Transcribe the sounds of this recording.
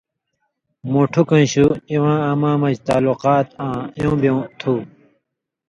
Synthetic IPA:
muʈʰukɐ̃nɕuiwãːɐmãːmɐd͡ʑt̪aːluqaːt̪ãːjõːbjõt̪ʰuː

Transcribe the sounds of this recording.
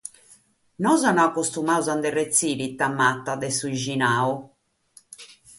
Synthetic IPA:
nɔzanɔakːost̪umauzand̪ɛrːet̪sːiːɾit̪amːat̪ːad̪ɛsuiʒinaːu

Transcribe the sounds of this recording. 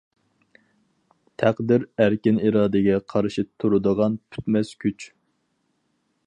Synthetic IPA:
t̪ʰæqd̪ɪɾæɾkʲɪniɾɑːd̪ɪɡʲɛqʰɑɾʃit̪ʰːuɾud̪əʁɑnpʰy̥t̪mɛskʲʰyt͡ʃ

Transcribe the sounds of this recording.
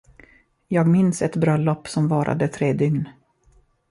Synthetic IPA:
jɑːɡmɪnsɛt̪bɾœlːɔpːsɔmvɑːɾʔa̰d̪ət̪ʰɾeːd̪ʏŋn

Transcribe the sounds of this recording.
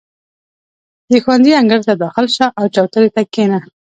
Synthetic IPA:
d̪əxwand̪iaŋɡəɾt̪ad̪ɑxɪlʃaʔawt͡ʃɑwt̪əɾet̪akena

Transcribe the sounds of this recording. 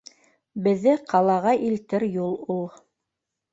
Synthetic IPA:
bɘ̆ðːɘqʰɑlˠɑʁɑʔilt̪ɘɾjulˠulˠ

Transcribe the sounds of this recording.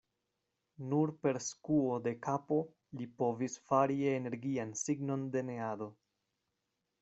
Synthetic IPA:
nuɾpe̞ɾskuode̞kapo̞ | lipo̞visfaɾiene̞ɾɡiansiɡno̞nde̞ne̞ado̞

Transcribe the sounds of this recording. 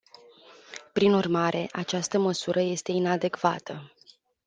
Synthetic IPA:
pɾinurmaɾe̞ʔat͡ʃast̪əməsuɾʔəje̞st̪e̞inad̪e̞kvat̪ʰə

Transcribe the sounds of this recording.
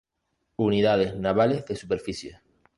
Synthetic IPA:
uniðað̞eznaβ̞alezðesupeɾfisje

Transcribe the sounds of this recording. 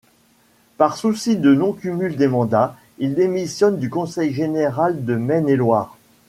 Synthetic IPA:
paʁsusid̪ənɔ̃kʲymyld̪emɑ̃d̪a | ild̪emisjɔnd̪ykɔ̃sɛjʒeneʁald̪əmɛnelwaːʁ

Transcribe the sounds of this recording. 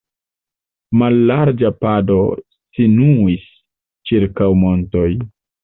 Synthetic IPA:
malːaɾd͡ʒapado̞ | sinuis | t͡ʃiɾkawmo̞nto̞j

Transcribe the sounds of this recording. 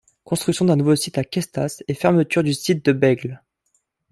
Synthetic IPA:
kɔ̃st̪χyksjɔ̃d̪ɛ̃nuvosit̪akʲɛst̪asefɛʁmət̪yʁd̪ysit̪̚d̪əbɛɡl

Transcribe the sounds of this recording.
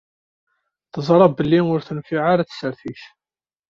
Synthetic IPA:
θəzˤɾˤɑbəlːinʊɾθənfiʕaɾaθsəɾθiç

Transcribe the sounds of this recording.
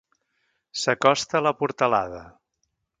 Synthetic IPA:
səkɔst̪ələpuɾt̪əlaðə

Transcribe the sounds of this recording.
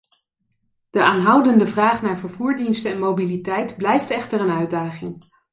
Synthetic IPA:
d̥əʔaːnɦʌwdəndəvraːχnaːɹvəɹv̥uːɹdinstəɛnmowbilitɛjtblɛjftɛχtərənœɥdaːχɪŋ

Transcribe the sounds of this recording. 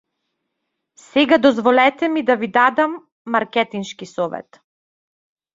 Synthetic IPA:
sɛɡad̪ɔzvɔlɛt̪ɛmid̪avid̪ad̪amː | aɾkɛt̪inʃkisɔvɛ̰t̪

